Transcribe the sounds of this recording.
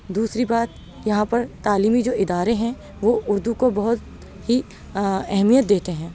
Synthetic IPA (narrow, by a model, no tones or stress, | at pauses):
d̪uːsɾibaːt̪̚ | jɐɦãpɐɾt̪aːliːmid͡ʒoːʔɪd̪aːɾeɦɛ̃ | ʋoʊɾd̪ukobɐɦʊt̪ | hi | ɛɦmijət̪̚d̪eːt̪eɦɛ̃ː